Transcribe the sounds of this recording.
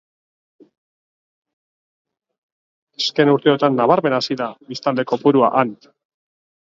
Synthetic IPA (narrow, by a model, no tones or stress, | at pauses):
eske̞nuɾt̪e̞o̞t̪anːaβ̞aɾme̞nasiðabist̪ald̪eko̞puɾuaʔan